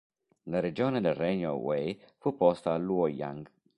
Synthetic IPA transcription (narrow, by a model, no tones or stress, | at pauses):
laɾed͡ʒoːned̪elrɛɲo̰wejfupɔst̪aːlːuoja̰ŋɡ